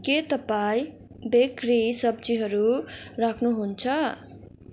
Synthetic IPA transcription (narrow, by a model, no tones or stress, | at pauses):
ket̪ʌpaĩ | bekrisʌb̚d͡ziɦʌɾurakʰnuɦunt͡sʰʌ